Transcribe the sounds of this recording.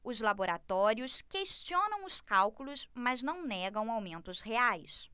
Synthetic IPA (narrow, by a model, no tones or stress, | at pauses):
ʊzlaboɾat̪ɔɾiʊskeʃt͡ʃiõnɐ̃w̃ʊskawkulʊsmɐznɐ̃w̃nɛɡɐ̃w̃awmẽnt̪ʊsheajs